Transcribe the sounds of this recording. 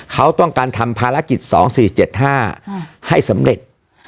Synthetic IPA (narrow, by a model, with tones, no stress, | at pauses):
kʰa˦˥wt̪ɔ˥˩ŋkaː˧nt̪ʰa˧mpʰaː˧ɾa˦˥ki˨˩t̪̚sɔ̰ː˩˦ŋsiː˨˩t͡ɕe˨˩t̪̚ɦaː˥˩ha˥˩jsa˩˦mɾe˨˩t̪̚